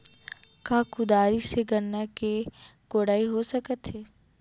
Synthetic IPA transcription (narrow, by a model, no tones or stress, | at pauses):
kaːkʊd̪aːɾiseɡɐnːakeɡ̥oːɽaːiɦosɐkət̪ɦeː